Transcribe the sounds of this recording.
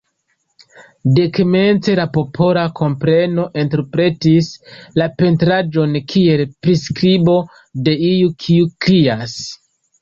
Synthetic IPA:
dekme̞nt͡se̞lapo̞pʰo̞lakʰo̞mpɾe̞no̞ʔenteɾpɾe̞tislape̞ntɾad͡ʒo̞nkʰie̞lpɾiskɾibo̞ | de̞ijukʰiukɾias

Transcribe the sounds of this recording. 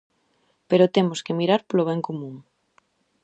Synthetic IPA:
peɾot̪emoskemiɾaɾpoloβ̞ɛŋkomũŋ

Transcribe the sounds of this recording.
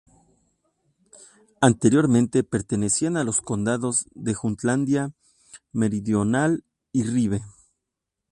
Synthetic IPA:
ant̪e̞ɾjo̞ɾmẽ̞nt̪e̞pe̞ɾt̪e̞ne̞sianalo̞sko̞nd̪aðo̞zðe̞xunt̪land̪ja | me̞ɾiðjo̞nal | iriβe̞

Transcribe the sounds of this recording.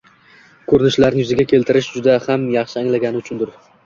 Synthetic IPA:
kʰɵɾɪnɪʃlaɾnɪjʊzɪɡʲakʲʰe̞lt̪ɪɾɪʃd͡ʒʊd̪ahamjɑχʃɪaŋlaɡʲanɪʊt͡ʃʰʊnd̪ʊɾ

